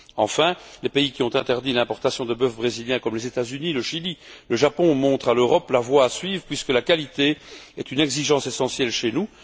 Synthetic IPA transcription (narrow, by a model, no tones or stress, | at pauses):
ɑ̰̃fɛ̃lepeikʲiɔ̃t̪ɛ̃t̪ɛʁd̪ilɛ̃pɔʁt̪asjɔ̃d̪əbœfbʁeziljɛ̃kɔmlezet̪azyniləʃililəʒapɔ̃mɔ̃t̪χaløʁɔplavwaːsɥiːvʁəpɥiskəlakalit̪eɛt̪ynɛɡziʒɑ̃sesɑ̃sjɛlʃenu